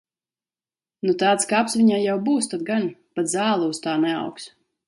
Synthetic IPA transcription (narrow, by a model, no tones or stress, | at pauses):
nut̪aːt̪skapsvʲiɲaːjawbuːst̪ad̪̚ɡanpat̪zaːlˠuːst̪aːnɛa̰wks